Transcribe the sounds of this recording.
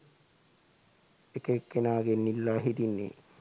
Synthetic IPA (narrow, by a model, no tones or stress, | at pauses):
ekekːenaɡenilːaɦid̪inːḭ